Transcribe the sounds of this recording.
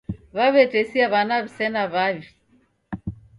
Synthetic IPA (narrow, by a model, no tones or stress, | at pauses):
βaβɛtɛsiaβanaβisɛnaβaβi